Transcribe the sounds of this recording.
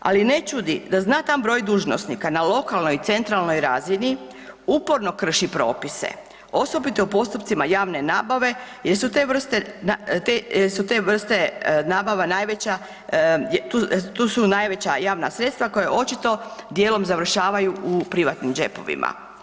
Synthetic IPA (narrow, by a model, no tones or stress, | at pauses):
a̰line̞t͡ʃud̪id̪aznaːt̪ambɾo̞ːjd̪uːʒno̰snikanalo̞kalˠnojit̪se̞nt̪ɾalˠno̞jɾazini | upo̞ɾno̞kr̩ʃipɾo̞̰ːpisḛ | o̞sobit̪o̞upo̞st̪upt̪simajaːʋne̞naːbaʋe̞jeɾsut̪eʋr̩st̪enat̪ejesut̪eʋr̩st̪e̞naːbaʋanaːjʋet͡ɕa | jt̪ut̪usunajʋe̞t͡ɕajaːʋna̰sɾe̞t̪st̪ʋako̞jeʔo̞t͡ʃit̪o̞d̪jeːlo̞mzaʋr̩ʃaːʋajuʔupɾiʋat̪nimd͡ʒe̞po̞̰ʋḭma̰